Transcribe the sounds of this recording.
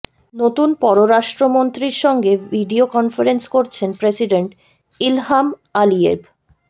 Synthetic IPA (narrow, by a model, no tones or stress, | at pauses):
not̪unpɔɾoɾaʃʈɾomont̪ɾiɾʃɔŋɡeviɖiokɔnfaɾenskoɾt͡ɕʰenpɾesiɖeɳʈ | ilɦamaliḛb